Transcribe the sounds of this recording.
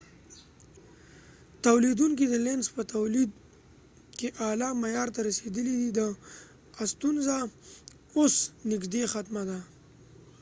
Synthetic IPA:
t̪awlid̪uŋkid̪əlenspət̪awlid̪ | keʔɑlɑmajɑɾt̪aɾased̪əlid̪id̪ə | ast̪unza | osnɪɡd̪exat̪mad̪a

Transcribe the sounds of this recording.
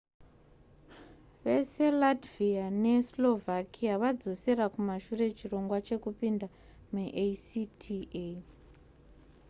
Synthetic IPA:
ʋe̞se̞ladviane̞slo̞vʱakʰiaʋad͡zo̞se̞ɾakumaʃure̞t͡ʃiro̞ŋɡwat͡ʃe̞kupinda | meʔesitʰie

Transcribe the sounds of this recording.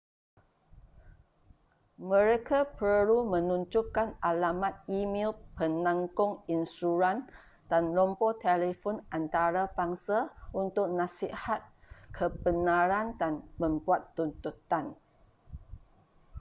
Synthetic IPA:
mə̃ɾekapəɾumə̃nũɲd͡ʒukanʔalamat̪̚imilpənãŋkʊŋinstuɾan | d̥anlɔmpot̪elefɔnant̪aɾabaŋsaunt̪ʊk̚nãsihat̪̚kʰəbənãɾandanmə̃mbuat̪ːunt̪ut̪an

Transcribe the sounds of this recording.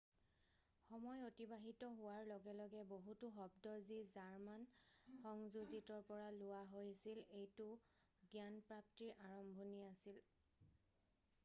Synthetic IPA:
xɔmɔjotibaɦitɔɦʊwaɹlɔɡɛlɔɡɛboɦutʊxɔbdɔzizaɹmanxɔŋzuzitɔɹpɔɹalʊwaɦojsilejtʊ | ɡjanpɹap̚tiɹʔaɹɔmbʱoniasil

